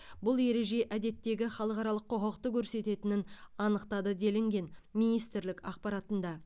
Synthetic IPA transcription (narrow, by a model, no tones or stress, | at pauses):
bʊlˠe̞ɾe̞ʒe̞ʔæd̪e̞t̪ːe̞ɡʲɪχɑlˠəqɑɾɑlˠəqʰːoqɑqt̪əkʲʰɵɾse̞t̪e̞t̪ɪnɪnɑnəqt̪ɑd̪əd̪e̞lɪŋɡʲe̞nmijnijst̪ɪɾlɪkɑ̰qpɑɾɑt̪ənd̪ɑ